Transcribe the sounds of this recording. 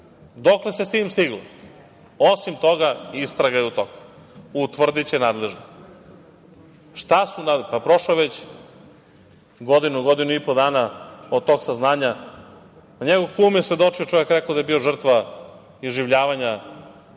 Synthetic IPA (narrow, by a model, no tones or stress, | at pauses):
d̪okle̞sest̪iːmst̪iɡlo | osimt̪o̞ɡaist̪ɾaɡajeut̪oku̥ut̪ʋr̩d̪it͡ɕenaːd̪leʒno | ʃt̪asunapapɾo̞ʃloʋet͡ɕ | ɡod̪inuɡo̞d̪inuipod̪aːnaod̪̚t̪o̞ɡsaznaːɲa | aɲeɡoʋkuːmjesʋe̞d̪o̞t͡ʂiot͡ʃoʋjekɾekaod̪ajebio̞ʐr̩t̪ʋa | iʒiʋʎaːʋaɲa